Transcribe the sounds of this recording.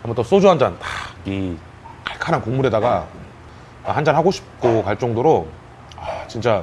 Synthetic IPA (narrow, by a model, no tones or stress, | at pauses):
amut͈ʌs͈od͡ʑuɦand͡ʑantḁi | kaɭkʰaɾankoŋmuɾedaɡa | hand͡ʑanɦaɡoɕʰi̥p̚k͈okaɭt͡ɕ͈ʌŋdoɾo | at͡ɕint͡ɕ͈a